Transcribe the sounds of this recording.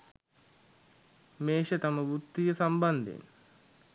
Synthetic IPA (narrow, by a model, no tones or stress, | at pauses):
meːɕət̪aməbut̪ːijəsamband̪ḛn